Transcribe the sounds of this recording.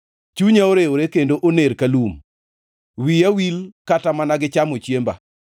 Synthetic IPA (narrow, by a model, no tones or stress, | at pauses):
t͡ʃuɲaoɾeoɾekendoʔoneɾkalum | wijawilkatamanaɡɪt͡ʃamot͡ʃjemba̰